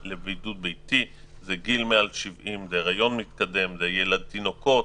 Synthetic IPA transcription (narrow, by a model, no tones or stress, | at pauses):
lebejdut̪̚bejt̪i | zeɡilmeaalʃivimzeʁajo̞nmit̪kad̪e̞mzejelad̪̚t̪ino̞ko̞t